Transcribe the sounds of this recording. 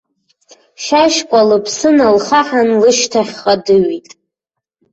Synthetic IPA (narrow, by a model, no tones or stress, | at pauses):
ʃaʃkʷʼalɨpʰsɨnalχaħanlɨʃtʰaχʲχadɨɥitʼ